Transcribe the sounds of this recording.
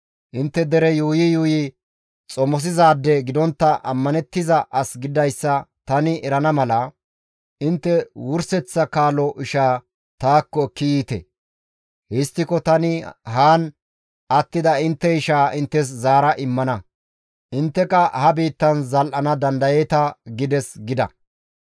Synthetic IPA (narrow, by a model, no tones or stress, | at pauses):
ʔɪnt̪ːɛd̪ɛɾɛjuːjɪjuːjɪ | t͡sʼɔmɔs̬ɪzaːd̪ːɛɡɪd̪ɔnt̪ːɐʔɐmːɐnɛt̪ːɪzɐʔɐsɡɪd̪ɐjsːɐt̪ɐnɪʔɛɾɐnɐmɐlɐ | ɪnt̪ːɛwʊɾsɛt͡sːɐkaːlɔʔɪʃaː | t̪aːkːɔkːɪjiːt̪ɛ̰ | hɪst̪ːɪkɔt̪ɐnɪɦaːn | ɐt̪ːɪd̪ɐɪnt̪ːɛɪʃaːʔɪnt̪ːɛs̬zaːɾɐʔɪmːɐnɐ | ʔɪnt̪ːɛkɐhɐbiːt̪ːɐnzɐlʔɐnɐd̪ɐnd̪ɐjɛt̪ɐɡɪd̪ɛsɡɪd̪ɐ̰